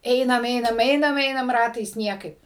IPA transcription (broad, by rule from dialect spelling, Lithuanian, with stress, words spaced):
ˈɛɪnɐm ˈɛɪnɐm ˈɛɪnɐm ˈɛɪnɐm ˈrɑːtɐɪs ˈnʲiɛkɐɪp